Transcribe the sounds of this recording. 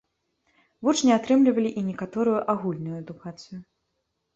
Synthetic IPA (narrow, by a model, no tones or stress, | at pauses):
vut͡ʂnʲɛat̪ɾɨmlʲivɐlʲiʔinʲɛkat̪ɔɾʊjuʔaɣulʲnujuɛd̪ukat̪sɨjʊ